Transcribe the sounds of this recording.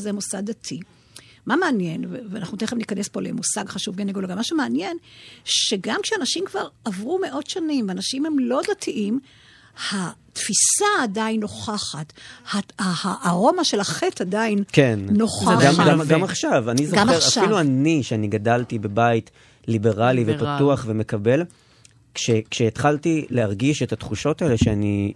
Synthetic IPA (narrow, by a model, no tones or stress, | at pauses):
zemusaɡdatʰi | mameanje̞nveveanaχnuteχemnikane̞spo̞lemusaɡχaʃuvɡeneɡoloɡamaʃumeanje̞nʃe̞ɡamkʃeanaʃimkvaʁavʁume̞ʔo̞tʃanimveanaʃimhemlo̞datʰiʔim | hatfisaːdainːo̞χaχathaahaʔaʁo̞maʃe̞laχetadainkenːo̞χaɡamɡamɡamaχʃavanizoχeafiluaniʃeaniɡadaltibe̞bait | libe̞ʁalivepatuaχve̞me̞kabe̞l | kʃekʃeːtχaltileaʁɡiʃe̞tatχuʃo̞taeleʃeani